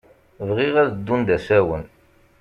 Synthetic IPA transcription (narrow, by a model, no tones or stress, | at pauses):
vʁiʁæðəd̪ːund̪æsæwən